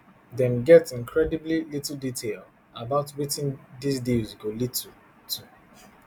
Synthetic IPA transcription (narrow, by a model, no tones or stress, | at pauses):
dɛ̃nɡɛtĩnkʰɹɛdiblilitl̩ditʰel | abaʊtwitĩndisdizɡolitʰ | tʰu